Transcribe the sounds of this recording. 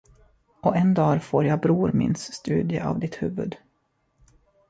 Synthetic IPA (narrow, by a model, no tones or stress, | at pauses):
ɔɛnd̪ɑːɾfoːɾjɑbɾuːɾmɪ̰nsːt̪ʉ̟ːd̪ɪəʔa̰vd̪ɪt̪hʉ̟ːvɵd̪